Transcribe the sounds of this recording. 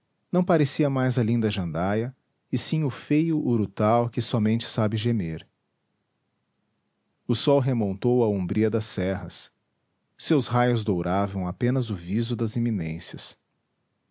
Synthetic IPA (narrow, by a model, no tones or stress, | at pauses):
nɐ̃w̃paɾesiɐmajzɐlĩnd̪ɐʒɐ̃nd̪ajɐ | ɪsĩʊfejʊʔːɾut̪awkɪsɔmẽnt͡ʃɪ̥sabɪʒemeɾ | ʊsɔwɦemõnt̪owɐũbɾiɐd̪ɐsɛɦɐsː | ewsɦajʊzd̪owɾʔavɐ̃w̃apẽnɐzʊvizʊd̪ɐzemĩnẽsjɐs